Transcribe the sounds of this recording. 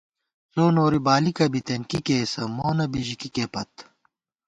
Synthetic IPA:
soːnoːɾibaːlikɐbit̪enkikeːsɐmoːnɐbiʑikikeːpɐt̪

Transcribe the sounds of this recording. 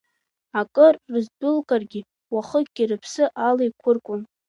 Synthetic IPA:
akʼɨrːɨzdʊlkʼarɡʲɪ | waχək̚ʼɡʲirɨpʰsɨʔalejkʷʰʊrkʷʼʊn

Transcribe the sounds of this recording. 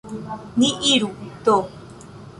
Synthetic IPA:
niʔiɾut̪o

